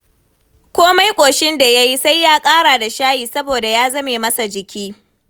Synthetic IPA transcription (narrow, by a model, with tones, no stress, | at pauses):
kʷoː˦ma˦jkʷʼoː˨ʃɪ˦nda˨ja˦ji˦sa˦jːaː˦kʼaː˦ɽaː˨da˨ʃaː˦jiː˨sɐ˦boː˨da˨jaː˦zɐ˦meː˨mɐ˦sa˨d͡ʒɪ˨kʲiː˦